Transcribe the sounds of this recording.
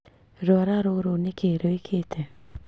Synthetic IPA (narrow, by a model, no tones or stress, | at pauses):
ɾɔɾaɾoɾonɪkeɾoikʰet̪ʰe